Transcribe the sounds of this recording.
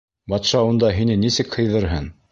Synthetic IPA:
bɑt̪ʃɑund̪ɑɦinɘnisɘkhɤ̆jðɤɾɦɤn

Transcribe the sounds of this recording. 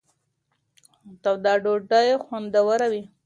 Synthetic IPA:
t̪awd̪ɑɖoʈajexwand̪awaɾawi

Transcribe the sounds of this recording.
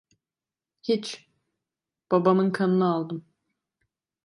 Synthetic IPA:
hit͡ʃ | b̥abamɯnkʰanɯnɯalˠd̪ɯm

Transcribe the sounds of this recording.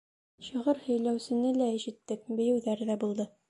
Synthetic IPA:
ɕɤ̆ʁɤɾhɵ̆jlæwsɘ̆nɘlæiʃɘ̆t̪ːɘk̚bɘ̆jɘ̆wðæɾðæbulˠd̪ɤ

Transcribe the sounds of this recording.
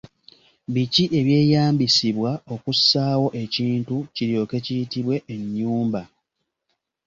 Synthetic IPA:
βiciʔe̞βje̞ːjaːmbisiβwao̞kusaːwo̞ʔe̞ciːntuciɾjo̞ke̞cijitiβwe̞ʔeɲːuːmba

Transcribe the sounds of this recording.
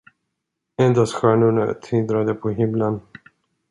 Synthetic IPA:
ɛnd̪asɧæːɳʊɳat̪ʰɪld̪ɾad̪əpʰɔɦɪmlən

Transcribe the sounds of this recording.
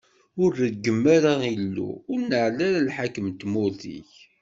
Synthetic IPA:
ʊɾəɡːəmːæɾailːṵʊɾnəʕlæɾalħakəmt̪mʊɾθḭç

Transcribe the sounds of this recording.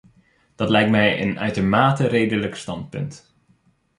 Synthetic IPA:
d̥ɑtlɛjk̚tmɛjə̰nœ̰ɥtomaːtərejdələkstɑnt̚pɵ̰nt

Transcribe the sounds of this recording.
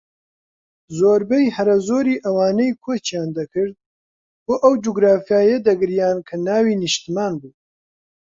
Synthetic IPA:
zoːɾbejhɐɾɐzoːɾiːʔɐwaːnɐjkʰot͡ʃjaːnd̪ɐkʰɨɾd̪̚ | boːʔɐwd͡ʒuɡɾaːfijaːjɐd̪ɐɡɨɾjaːnkʰɐnaːwiːnɨʃt̪imaːnbuː

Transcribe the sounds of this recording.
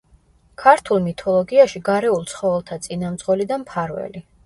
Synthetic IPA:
kʰaɾt̪ʰulˠmit̪ʰɔlˠɔɡiaʃiɡaɾɛulˠt̪sʰχɔvɛlˠt̪ʰat̪sʼinamt̪sʼqʼwɛlid̪ampʰaɾvɛ̰li

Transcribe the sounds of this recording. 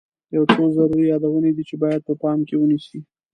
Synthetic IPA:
jawt͡sozaɾuɾijɑd̪awəned̪it͡ʃebɑjad̪̚pəpɑmkewənisi

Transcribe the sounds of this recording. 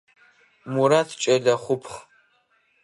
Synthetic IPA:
muɾatʰt͡ʃʼɐɮɐχʷʊpʰχ

